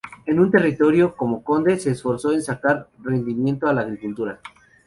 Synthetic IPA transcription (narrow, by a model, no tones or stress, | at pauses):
e̞nũnt̪e̞rit̪o̞ɾjo̞ko̞mo̞ko̞nd̪e̞se̞ːsfo̞ɾso̞e̞nsakaɾre̞nd̪imje̞nt̪oalaːɣɾikult̪uɾa